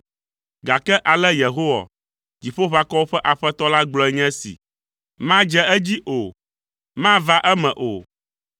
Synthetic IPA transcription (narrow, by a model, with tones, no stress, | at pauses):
ɡa˨kɛ˦ʔa˨lɛ˦je˨ɦo˦wa̰˨ | d͡ʑi˨ɸo˦ɸa˦kɔ˦wo˦ɸɛ˦ʔa˨ɸɛ˦t̪ɔ˦la˦ɡ͡blɔ˨˦ɛ˦ɲɛ̃˦sḭ˨ | mã˦d͡ʒɛ˦ɛ˦d͡ʑi˦ʔo˨ | mã˦va˦ʔɛ˦mɛ̃˨ʔo˨